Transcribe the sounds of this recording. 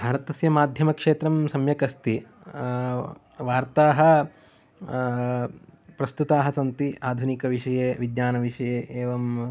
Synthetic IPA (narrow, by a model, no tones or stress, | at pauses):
bʱaːɾɐt̪ɐsjɐmaːd̪ʱjɐmɐkʂeːt̪ɾɐmsɐmjɐkɐst̪i | ʋaːɾt̪aːɦɐ̆ | pɾɐst̪ut̪aːɦɐsɐnt̪iaːd̪ʱunikɐʋiʂɐjeːʋid̪ɲaːnɐʋiʂɐjeːʔeːʋɐm